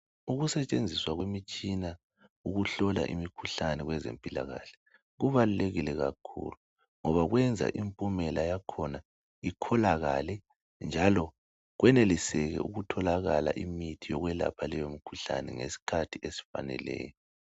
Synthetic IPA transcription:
uɣusɛt͡ʃʼend͡zʱiswaɣwemit͡ʃʼina | uɣuɬɔla̰ʔḭmikʰuɬanɛɣwɛzḛmpʼila̰ɣa̰ɬɛ̥ | ɣuβaluleɣilɛɣa̰kʰṵlu | ŋɔβaɣwɛnd͡zʱa̰ʔimpʼumɛlajakʰɔna | ikʰɔlaɣa̰lɛ | nd͡ʒʱalɔ | ɣwɛnelisɛɣɛ̰uɣutʰɔlaɣala̰ʔimitʰijɔɣwɛla̰pʰalɛjomikʰu̥ɬa̰nɛŋesi̥kʰatʰiesi̥fa̰nɛ̰lɛ̰ːjɔ

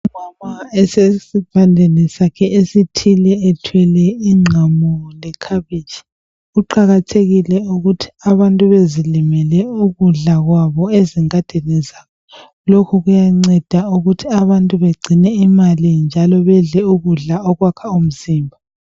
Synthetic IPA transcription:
imamaɛsesipʰandʱɛnɛsakʰɛʔesitʰilɛːtʰwɛlɛiŋ͡ǀʱamulɛkʰaβit͡ʃi̥ | uǃaɣatʰeɣilɛuɣutʰi̥aβantʼuβezilimɛlɛuɣuɮaɣwaβɔeziŋad̥ʱɛnɛzakɔ | lokʰuɣujaŋ͡ǀɛd̥ʱauɣutʰiaβantʼuβeɡ͡ǀʱinɛimalind͡ʒʱalɔβɛɮɛuɣuɮaɔɣwakʰaum̩ziːmbʱa

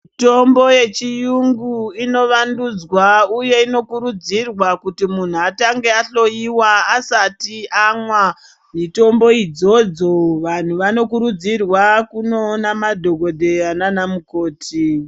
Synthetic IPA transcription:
ito̞mbo̞je̞t͡ʃijuŋɡuino̞ʋandud͡zwauje̞ino̞kuɾud͡zirwakutimun̤uataŋɡe̞aɬo̞iwaːsatiamwa | mito̞mbo̞id͡zo̞d͡zo̞ʋan̤uʋano̞kuɾud͡zirwakunoːnamadʱo̞ɡʱo̞dʱe̞ananamuko̞ːtʰi

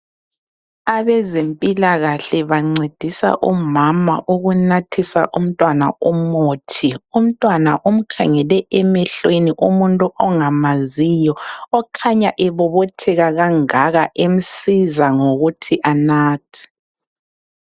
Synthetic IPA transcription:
aβɛzempʼilaɣaɬɛβaŋ͡ǀed̥ʱisa̰ʔumama̰ʔuɣunatʰisa̰ʔum̩tʼwana̰umoːtʰium̩tʼwanaʔum̩kʰaŋɛlɛʔɛmɛɬweniʔumuntʼuʔɔŋamazijɔːkʰaɲaʔɛβɔβotʰɛɣaɣaŋaɣaʔem̩sizaŋoɣutʰiʔanaːtʰi̥

